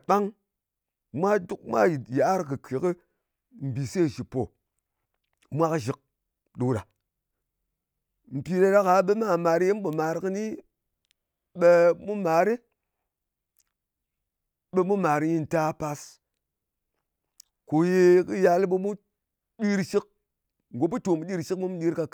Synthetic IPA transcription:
ɓa˦ŋ | mʷa˦du˦k̚mʷa̰˦˨ja˨˦ɾkɨ˨kʰi˨˦kɨ˦ | m̩˨bi˨se˦˨ʃi˨po˨ | mʷa˦kɨ˦ʒi˨k̚ | ɗo˨ɾa˨ | m̩˨pi˧ɾa˧ɾa˦ka˨˦ɓe˦ma˦˨ma˨ɾje˦m̩˦ɓu˨ma˨ɾkɨ˦ni˦ | ɓe˦mu˦ma˨ɾi˦ | ɓe˧mu˦ma˨ɾi˦ji˦n˨ta˦pa˧s | ko˨je˧kɨ˦ja˧li˦ɓe˧mu˦ | ɗi˦ɾʃi˦k̚ | ŋ˨ɡo˨˦pu˦to˨mu˨ɗi˦ɾʃi˦kmu˦mu˦ɗi˦ɾka˧

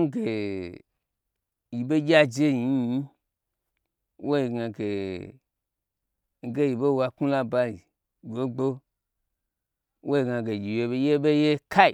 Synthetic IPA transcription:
ŋ̩˦ɡe˨ | ji˨be˦ɡʲa˦d͡ʒe˦ji˨˧˦i˦ | wʔo˦ji˨ɡa˧ɡe˨ | ŋ̩˦ɡe˦ji˨ɓe˦wa˧ku˦la˦ba˧li˨ | ɡo˦ɡ͡bo˦ | wʔo˦ji˧ɡa˧ɡe˨ɡʲi˨je˧be˧˦je˦be˦je˦kʰa˦i˨

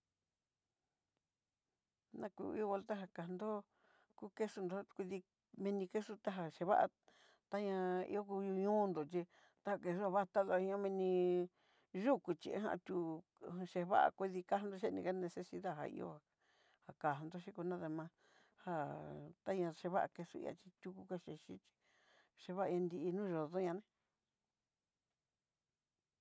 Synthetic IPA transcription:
nã˧kṵ˧ḭ˧o˦˧a˧lt̪a˦ɦa˧ka˨nd̪o˦ | ku˦ke˦su˧nd̪o˨˧˦kʷi˧ði˧ | mĩ˧nĩ˧ke˦su˦t̪a˦ɦa˨ʃe˧βa̰˦ʔa̰˧ | t̪a˦ɲã˧ḭ˧o˦ku˧ju˧ɲũː˦nd̪o˨t͡ʃi˧ | t̪a˦a˧˨ke˧su˦a˧βa˦˧t̪a˦ðo˧ɲã˦mĩ˧nĩ˧ | ʒu˦ku˨t͡ʃi˧ḛ˦ɦã̰˧t̪ʲũ˧ | ʃe˧βa̰˦ʔa̰˧kʷi˦˧ði˧ka˦hnd̪o˧ʃe˦˧nḭ̃˧ka˦nẽ˧se˧si˧ða˦˨ɦa̰˧ḭ˧o̰˧˦ha˧ | ha˧ka˨ɦnd̪o˦ʃi˦ku˧nã˦ðe˧mã˧ | ha˧t̪a˦ɲã˧ʃe˧βa˦ʔa˧ke˧su˦˧ḭ˧a̰˧t͡ʃi˧t̪ʲu˧ku˧ka˦ʃe˧ʃi˦t͡ʃi̥˧ | ʃe˧βa˦ʔa˧ɲã˧nd̪i˧i˧nũː˦˧ʒo˨ðo˦ɲã˧nẽ˦

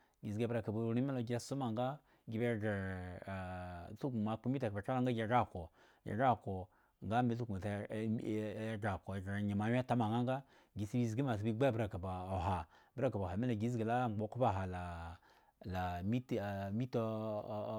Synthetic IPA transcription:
ɡi˨zɡa˨bɾa˨ka˨bu˨ɾi˦me˦lo˨ɡʲa˦su˦ma˨ŋɡa˦ | ɡʲi˨be˦ɡe˨ | su˦ɡu˨ma˨k͡pu˦mi˦ta˨kba˨t͡ʃa˦la˦ŋ˦ɡa˦ɡʲa˨ɡa˦˨ko˨ | ja̰˨ɡa˦˨ko˨ | ŋɡa˦me˨˦s̬u˦ɡu˨t | ɡa˨ko˨ɡa˨ɲe˨ma˨˦wʲe˦ta˦ma˨ŋɡa˦ŋɡa˦ | ɡi˨si˦bi˦˨zɡi˦ma˨s̬u˨bi˦ɡ͡ba˦ɾa˨ka˨ba˨o˨ɦa˨bə˦ɾa˦ka˨ba˨a˨me˦lo˨ɡi˦z̬ɡe˨la˦˨ŋ͡mɡ͡bo˨˦ku˦ba˦˨ɦa˨la˨ | la˨mi˦tmi˦to˦˨

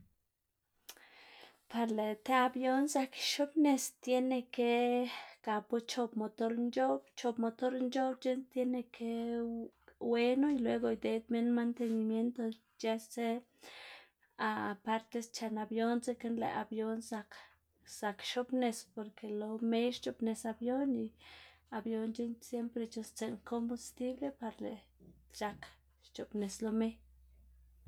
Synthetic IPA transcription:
pa˨ɾle˨t̪e˦a˧bjo˦nsa˧kʃo˦bne˧st̪je˦ne˧ke˦ka˨po˦t͡ʃo˦˧bmo˨t̪o˧ɾnd͡ʒo˦bt͡ʃo˧pmo˨˧t̪o˦ɾnd͡ʒo˦bt͡ʃe˦nt̪je˦ne˧kʰe˦ | we˦no˦i˧lwe˧˦ɡo˧jd̪e˧˦d̪me˦nma˧nt̪e˧ni˨mje˦nt̪o˧ | t͡ʃe˧˦se˦ | a˨pa˦ɾt̪e˧st͡ʃa˧na˨bjo˦nt͡se˦ke˦nlḛ˨ʔa˨bjo˦nsa˧k | sa˨kʃo˦pne˧spo˨ɾke˨lo˧me˦jʃt͡ʃo˨pne˨sa˧bjo˦ni˧a˨bjo˧nt͡ʃe˦nsje˦mpɾe˧t͡ʃo˧st͡se˧ŋkʰo˦mbu˧st̪i˦ble˦pa˧ɾlḛ˨t͡ʃa˧k | ʃt͡ʃo˨pne˨slo˧me˦j

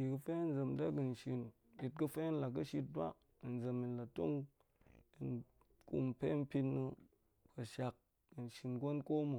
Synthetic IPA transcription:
i˨kɨ˧fe˦n˦d͡zə˨m˨da˦kɨ˨n˨ʃi˧n | i˧t̚kɨ˧fe˦n˦la˨k̬ɨ˦ʃi˧t̚ba̰˦˨ | n˨zə˨mi˨nla˨to˦ŋ | i˨n | kṵ˨m˨pe˦m̩˦pʲi˧tnɨ˧ | ka˨ʃa˨k̚ | i˨n˨ʃi˨nɡo˦nko˦mo˨

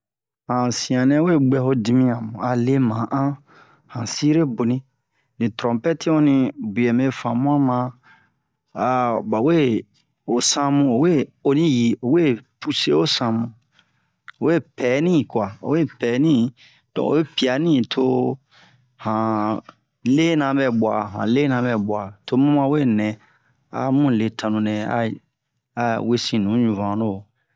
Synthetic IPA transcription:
hã˨sĩ˨ã˨nɛ̃˦we˦˨ɡ͡bɛ˦˧ho˦di˧mĩ˦ã˨mũ˨a˨le˦mã˨˦ʔã˦ | hã˨si˦ɾe˦bo˨nĩ˦ | nĩ˨tɾɔ̃˨mpɛ˦ti˦õ˦nĩ˧bu˨ɛ˨me˦fã˨mũ˦ã˦mã˧ | a˨ba˨we˦˨ | o˨sã˦mũ˧o˨we˦o˨nĩ˦ji˨o˨we˦˨pu˦se˦o˦sã˧mũ˧ | o˨we˦˨pɛː˨˦nĩ˦˨kwa˨o̰˨we˦˨pɛ˨˦nĩ˦ | d̥ɔ̰̃˨o̰˨we˦pi˨a˨nĩ˦tʰo˧ | hã˨ | le˦nã˧˨bɛ˧˨bwa˨ɦã̰˨le˦nã˧bɛ˨bwa˨to˧mũ˦mã˦˨˦we˦˨nɛ̃˨ | a̰˨mũ˦˨le˨tʰã˨nũ˨nɛ̃˨a̰˦ | a˨we˦sĩ˨nũ˨˦ɲũ˨vã˨no˦˨

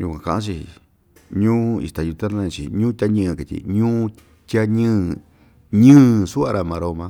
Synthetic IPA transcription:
ju˧kʷã˧˨kã˧˨ʔã˦t͡ʃi˧ | ɲũː˦ḭ˧st̪a˨ju˧t̪a˦ã˧˦ĩ˧t͡ʃḭ˨ɲũː˦t̪ʲa˧˦ɲɨ̃ː˦˧ka˨t̪ʲḭ˧˨ɲũː˦ | t̪ʲa˦ɲɨ̃ː˦˨ | ɲɨ̃ː˦˨su˦a˧ɾa˧mã˨˧ɾo˧mã˧

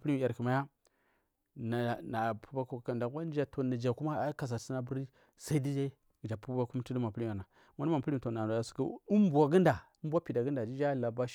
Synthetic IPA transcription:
pi˦m˨a˨ɾkə˨ma˦ja˦ | na˨na˨pu˦ba˦kka˨da˨ɡʷa˦n˦d͡ʒa˦to˨na˨d͡ʒa˨ku˦ma˦ka˨s̬a˨si˦na˦bu˦ɾi˦ | sa˦i˦di˦d͡ʒa˦i˦ | ɡd͡ʒa˨pu˦ba˦ku˦m˦ti˦di˦ma˨pu˦li˦˨a˨na˨ | ma˦n˦ma˨pu˦ɾi˦m˨to˨na˨a˨ska̰˦u˦mbʷa˨ɡə˦nda˨u˦m˦bʷa˦pi˨da˨ɡə˦nda˨d͡ʒi˦d͡ʒa˦˨la˨ba˦ʃ

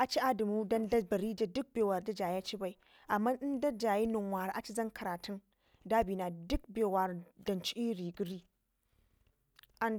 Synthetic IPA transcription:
ʔa˨t͡ʃi˦ʔa˦da˨mu˦dɐ˦ndɐ˦bɐ˨ɾiː˦d͡ʒa˨dʊ˦k̚beː˨wa˨ɾdɐ˦d͡ʒaː˨ja˦t͡ʃi˦ba˨j | ʔa˨mːa˦nɗɪ˦ndɐ˦d͡ʒaː˨ji˦nʊ˨ŋwaː˨ɾʔa˨t͡ʃi˦zɐ˦ŋkʰɐ˨ɾaː˨tʰʊ˦n | daː˦biː˨naː˨dʊ˦k̚beː˨wa˨ɾdɐ˨nt͡ʃi˦ʔi˦ɾiː˨ɡu˦ɾiː˦ | ʔa˦n

